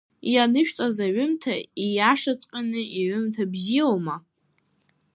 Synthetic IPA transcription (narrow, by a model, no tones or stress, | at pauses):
janɨʃᶣt͡sʼazaɥʏmtʰaijaʂat͡sʼqʲʼanɨiʕʏmtʰabzioma